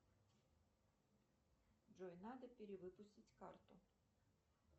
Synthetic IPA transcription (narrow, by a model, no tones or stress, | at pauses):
d͡ʒɔjnɑd̪ɐpʲiɾʲiʋɪpʊsʲtʲitʲkɑ̰rt̪ʊ